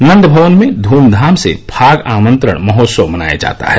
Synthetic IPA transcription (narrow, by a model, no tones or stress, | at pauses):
nɐ̃nd̪bʱəʋənmẽd̪ʱuːmd̪ʱaːmsḛbʰʱaːɡaːmə̃nt̪ɾə̰ɽ̃mɐɦoːt̪səʋmɐna̰ːja̰d͡ʒa̰ːt̪a̰ɦɛ